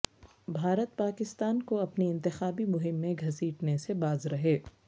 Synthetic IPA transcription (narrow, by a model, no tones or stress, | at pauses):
bʱaːɾət̪̚paːkɪst̪aːnkoɐpniɪ̃nt̪ɪxaːbimʊɦɪmːẽɡʱɐsiːʈnesebaːzɾɐɦeː